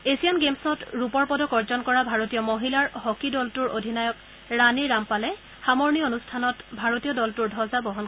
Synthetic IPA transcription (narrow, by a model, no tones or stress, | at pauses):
esianɡemsɔtɹupɔɹpɔdɔkɔɹzɔnkɔɹabʱaɹotijɔmoɦilaɹɦɔkidɔltuɹo̰dʱinajɔk | ɹaniɹːampalɛ | xamɔɹnionustʰanɔtbʱaɹotijɔdɔltuɹdʱɔzabɔɦɔn